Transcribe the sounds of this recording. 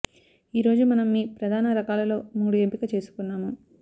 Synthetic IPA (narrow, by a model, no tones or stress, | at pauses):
iːɾo̞ːd͡ʒumɐnɐmːipɾɐd̪ʱaːnɐɾɐkaːlɐlo̞ːmuːɽuempikɐt͡ʃe̞ːsu̥kunːaːmu